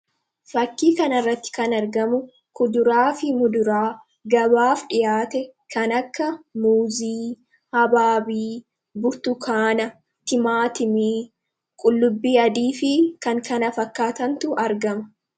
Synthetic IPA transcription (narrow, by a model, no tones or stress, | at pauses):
fɐkːiːkɐnɐrːɐt̪ːɪ̥kɐnɐɾɡɐmʊ | kʊd̪ʊɾaːfɪmʊd̪ʊɾaː | ɡɐbaːfᶑɪjaːt̪ɛkʰɐnɐkːɐmuːziː | hɐbaːbiː | bʊɾt̪ʊkʰaːnɐ | t̪ɪmaːt̪ɪmiː | kʼʊlːʊbːiːɐd̪iːfɪkɐŋkɐnɐfɐkːaːt̪ɐnt̪ʊʔɐɾɡɐmɐ̥